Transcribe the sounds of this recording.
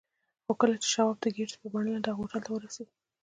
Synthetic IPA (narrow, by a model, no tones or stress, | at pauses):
xokəlat͡ʃe̥ʃawɑb̚d̪əɡeʈpəbaɳəladɑɣoʈalt̪awəɾaseɡi